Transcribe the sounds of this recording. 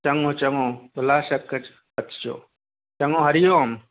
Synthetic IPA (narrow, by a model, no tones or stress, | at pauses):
t͡ʃɐŋõːt͡ʃɐŋoːt̪ulaːʃɐkːɐt͡ʃ | pɐt̪t͡ʃo̰ː | t͡ʃɐŋõːɦɐɾijoːm